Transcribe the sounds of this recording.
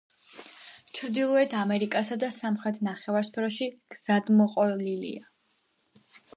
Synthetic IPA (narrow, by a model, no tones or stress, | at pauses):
t͡ʃʰɾd̪ilˠɔɛt̪ʰamɛɾikʼasad̪asamχɾɛt̪ʰnaχɛvaɾspʰɛɾɔʃiɡ̥z̥ad̪mɔqʼɔlilḭa